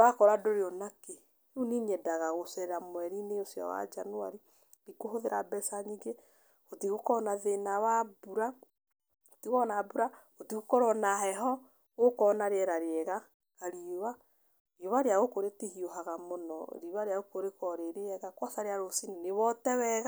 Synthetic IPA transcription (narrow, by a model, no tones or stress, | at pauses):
βakɔɾadoɾeɔnake | uniɲɛdaɣaɣosɛɾɾamwɛɾineosjɔ̰wa̰d͡ʒanoa̰ɾi | βikoɦoðeɾabɛsaɲiɡe | otiɣokɔnaðenaβabuɾa | otiɣɔnabuɾa | otiɣokɔɾɔnaɦɛɦɔ | ɣokɔnaɾeɛɾaɾeɛɣa | kaɾiwa | ioβaɾeaɣokoɾetihioɦaɣamonɔ̰ɾiβaɾeaɣokoɾekɔɾeɾeɛɣakwasaɾeaɾosineneβɔtɛβɛɣa